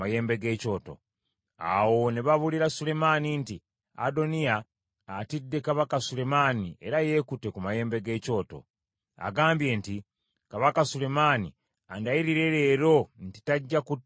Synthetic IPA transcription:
aje̞ːmbe̞ɡe̞ːco̞ːto̞̰ | a̰wo̞neβaβuliɾasule̞maninti | a̰do̞nijaː | tidːe̞kaβakasule̞maːnie̞ɾaje̞ːkute̞kumaje̞ːmbe̞ɡe̞ːco̞ːto̞̰ | a̰ɡaːmbje̞ːnti | kaβakasule̞maːni | andaiɾiɾe̞ɾe̞ːɾo̞n̩ti̥taɟːaku

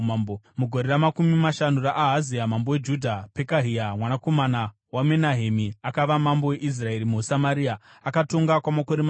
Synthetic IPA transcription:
o | muɡʱo̞ɾe̞ramakumimaʃanuraʔːɦaziamambo̞we̞d͡ʒudʱape̞kaɦiamwanako̞mana | wamenaɦemiakaʋamambo̞we̞ʔis̬rae̞ɾimusamaɾia | akato̞ŋɡakwamako̞ɾema

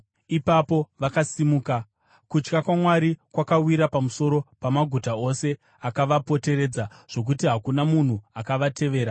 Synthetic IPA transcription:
ipapo̞ʋakasimuːka | kut͡ʃkakwamwaɾikwakawiɾapamuso̞ɾo̞pamaɡʱutao̞se̞ | akaʋapo̞te̞ɾe̞ːd͡zaʐ̥o̞k̬utiɦakunamun̤uakaʋatʰe̞ʋe̞ːɾa

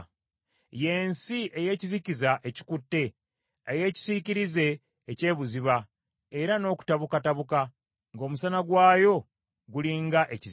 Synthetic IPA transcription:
je̞ːnsiʔe̞je̞ːcizicizaʔe̞ci̥kutːe̞ | eje̞ːci̥ziciɾize̞ː | ce̞ːβuziβa | e̞ɾano̞ːku̥taβukataβuka | ŋɡo̞musanaɡwaːjo̞ | ɡuliŋɡaʔe̞ciz

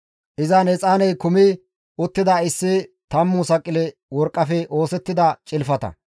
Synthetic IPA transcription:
ʔɪzɐnɛt͡sʼaːnɛjkʊmɪ | ʔʊt̪ːɪd̪ɐɪsːɪt̪ɐmːʊsɐkʼːɪlɛwɔɾkʼːɐfɛʔo̞ːsɛt̪ːɪd̪ɐt͡ʃʼɪlfɐt̪ɐ̰

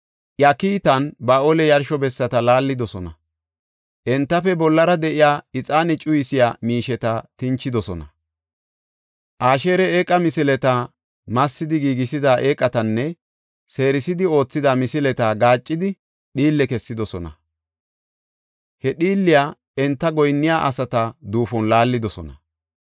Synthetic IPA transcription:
ʔjɐkiːt̪ɐnbaːʔolɛjɐɾʃɔbɛsːɐt̪ɐlaːlːɪd̪ɔsɔnɐ̰ | ʔɛnt̪ːɐfɛbɔlːɐɾɐd̪ɛʔɪjaːɪt͡sʼaːnɪt͡ʃʼʊjɪsɪjaːmiːʃɛt̪ɐt̪ɪnt͡ʃːɪd̪ɔsɔnɐ | ʔaːʃe̞ːɾɛeːkʼːɐmɪsɪlɛt̪a | mɐsːɪd̪ɪɡiːɡɪsɪd̪aʔeːkʼːɐt̪ɐnːɛ | se̞ːɾɪsɪd̪ɪo̞ːt͡sːɪd̪amɪsɪlɛt̪aːɡaːt͡ʃʼːɪd̪ɪ | ɗiːlːɛkɛsːɪd̪ɔsɔnɐ̰ | hɛɗiːlːɪjaː | ɛnt̪ːɐɡɔjnːɪjaːʔɐsɐt̪ɐd̪uːfɔnlaːlːɪd̪ɔsɔ̰nɐ

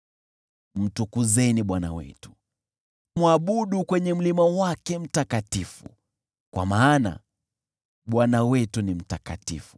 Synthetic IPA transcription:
m̩tukuzɛniɓwana̰wɛ̰tu̥ | mwaɓuɗukwɛɲɛm̩limawakɛm̩takatifṵ | kwa̰maːna̰ | ɓwanawɛtunim̩taka̰tḭfu̥

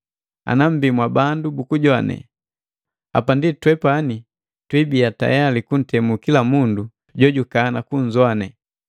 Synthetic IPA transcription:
a̰nam̩bimwabandubukuɟɔanɛ̰ | a̰panditwɛpani | twibiata̰jalikun̩tɛmukilamundu | ɟɔɟukanakuɲzwanɛ

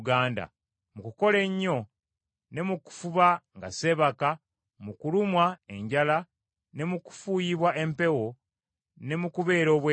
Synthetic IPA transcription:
ɡaːnda̰ | mukuko̞le̞ɲːo̞ | ne̞muku̥fuβaŋɡase̞βaka | mukulumwae̞ɲɟala | ne̞muku̥fujiβwaʔe̞mpe̞wo̞ | ne̞mukuβe̞ːɾo̞ːβwe

